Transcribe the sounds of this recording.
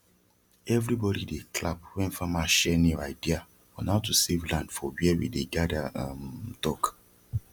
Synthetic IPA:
ɛvɾibɔdidekʰlap̚wɛ̃nfãmaʃɛniaɪdia | fɔnaʊtusevlãndfɔwiɛwḭdeɡadamtɔk

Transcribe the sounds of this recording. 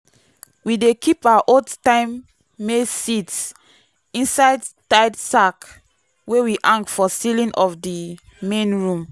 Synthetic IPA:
widekʰipaaʔodtãɪ̃mː | esits | ĩnsaɪdtaɪdsak | wewiʔãŋk̚tfɔsilĩnʔɔfdi | mẽnɹũm

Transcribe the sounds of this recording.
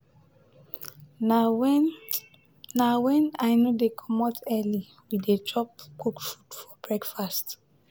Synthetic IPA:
nawɛ̃najnodekʰɔmɔtʰɛli | widet͡ʃɔpkukfudfɔb̥ɹɛkfast

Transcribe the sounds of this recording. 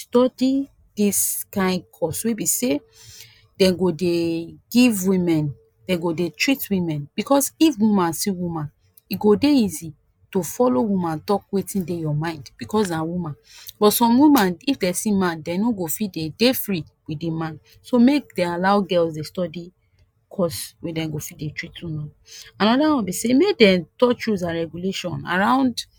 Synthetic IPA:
stɔdi | d̥iskãɪ̃nkʰɔswebise | dɛ̃ɡodeɡivwĩmɛ̃n | d̥ɛ̃ɡodetʰɹitwĩmɛ̃nb̥ikɔsifwumãnsĩwumãn | iɡodeizi | tofɔlowumãntɔk̚wetĩndejɔmãɪ̃ndb̥ikɔs̬nawumãn | bɔtsɔ̃mwũmãnifdɛsĩmãndɛ̃noɡofitdedefɹi | widemãn | somek̚dealaʊɡɛlsdestɔdi | kʰɔswedɛ̃mɡofitdetɹitwĩmɛ̃n | ãnɔdawɔ̃nbisemek̚dɛ̃mtɔt͡ʃuzaɹɛɡuleʃɔ̃na̰ɹãʊ̃nd

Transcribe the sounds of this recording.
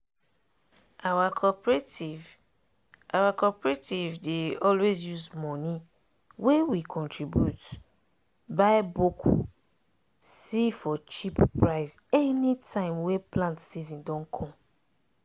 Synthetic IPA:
awakʰɔpɹetiv | ʔawakɔpɹetivdeɔlwezjuzmɔ̃ni | wewikʰɔ̃ntʰɹibjṵt | babuk | sifɔt͡ʃippɹaɪsɛnitʰãɪ̃mweplãntsizɔ̃ndɔ̃nkʰɔ̃m

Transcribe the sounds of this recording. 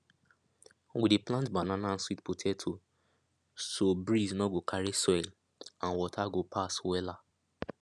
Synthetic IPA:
wideplãntbananan̩switputʰɛtʰo | sobɹisnɔɡokʰaɹisɔjl | ãnwɔtʰaɡopʰaswɛla

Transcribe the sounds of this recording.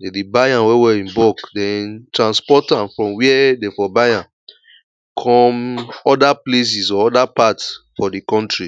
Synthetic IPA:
edibajãnwewɛĩmbɔkdɛ̃ntɹãnspɔtãmfɹɔ̃mwiɛdefɔbajãn | kʰɔ̃mɔdaples̬isɔɔdapatsfɔdikɔ̃ntɹi

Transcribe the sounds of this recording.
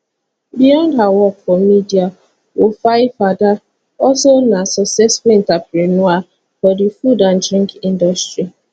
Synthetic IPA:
bijɔ̃ndɦawɔkfɔmidia | wofaɪfada | ɔsonasɔsɛsfʊĩntapɾinua | fɔdifudãndɾĩŋkĩndɔstɹi

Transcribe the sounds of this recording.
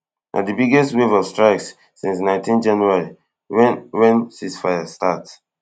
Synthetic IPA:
nʔa̰dibiɡɛstwevɔvstɹaɪks | sĩnsnãɪ̃ntʰĩnd͡ʒãnuaɹi | wɛ̃nsisfajastats

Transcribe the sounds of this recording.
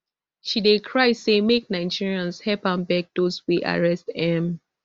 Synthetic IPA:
ʃidekʰɹaɪsemek̚naɪd͡ʒiɹiãnshɛpãmbɛk̚d̥ozwiʔa̰ɹɛstɛ̃m

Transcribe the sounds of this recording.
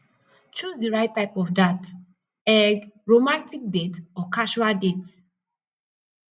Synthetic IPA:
t͡ʃusdiɹaɪtːaɪpɔfdat | ɛɡɹomãntik̚detɔkʰaʃualdet

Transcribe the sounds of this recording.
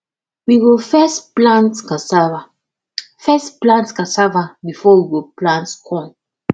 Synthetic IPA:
wiɡofɛsplãntkasava | fɛsplãntskasavabifɔwiɡoplãntkʰɔ̃n

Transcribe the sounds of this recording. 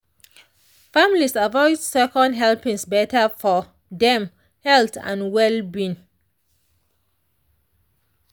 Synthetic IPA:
famlisavɔɪdsɛkɔ̃ndɦɛlpĩŋsbɛtəfɔ | dɛ̃m | hɛltã̰nwɛlbĩn

